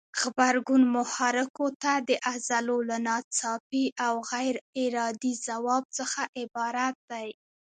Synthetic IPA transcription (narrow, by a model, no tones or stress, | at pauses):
ɣbaɾɡunmʊhɑɾɪkot̪ad̪əʔazalolanɑt͡sɑpiʔawɣajɾɪɾɑd̪izawɑb̚t͡səxaʔɪbɑɾat̪̚d̪aj